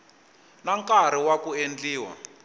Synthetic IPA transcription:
naŋkʼaɾ̤iwakuend͡ɮiːwa̰

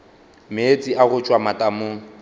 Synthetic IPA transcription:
met͡sʼiʔaɣʊt͡ʃʼwamatʼamʊ

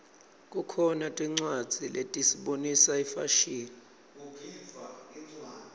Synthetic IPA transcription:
k̬ʼukʰɔnatʼiŋ͡ǀwad̥d͡z̥ʱilʔetʼisiɓonisaifa̰ʃiːli

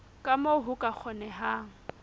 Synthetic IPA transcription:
kʼamoɦʊkʼak͡xʰɔnɛɦaːŋ̩

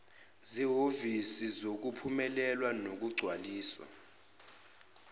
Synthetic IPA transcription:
ziɦovisizok̬upʰumɛlɛlwanok̬uɡ͡ǀʱwaliːswa̰

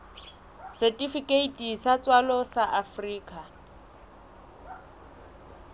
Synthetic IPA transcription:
sɛtʼifikʼeitʼisat͡sʼwalɔsaʔafriːkʼa

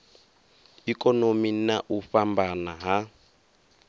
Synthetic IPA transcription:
ikɔnominaʔufambanaɦa

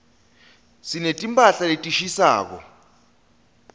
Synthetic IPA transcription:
sinetʼimpʼaɬaetʼiʃisa̰ːk̬ɔ̰

